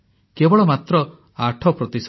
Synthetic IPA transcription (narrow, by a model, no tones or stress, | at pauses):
kebɔɭɔmat̪ɾɔ | aʈʰɔpɾɔt̪is